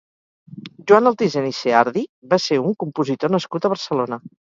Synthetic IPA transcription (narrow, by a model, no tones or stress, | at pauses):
ʒwanəlˠt̪izeniseaɾðiβaseuŋkumpuzit̪onəskut̪əβəɾsəlonə